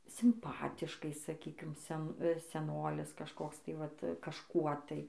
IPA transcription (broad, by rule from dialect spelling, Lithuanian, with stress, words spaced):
sʲɪmˈpɑːtʲɪʃkɐɪ sɐˈkʲiːkʲɪm ˈsʲɛn sʲɛˈnoːlʲɪs kɐʃˈkoːks tɐɪ ˈʋɐt kɐʃˈkuɔ tɐɪ